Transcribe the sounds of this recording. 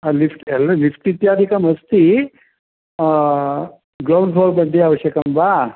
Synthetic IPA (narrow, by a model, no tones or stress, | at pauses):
alifʰʈllifʰʈit̪jaːd̪ʱikəməst̪i | ɡɾawɳɖfʰɔlpəɳɖ̪iaʋəɕjəkəmba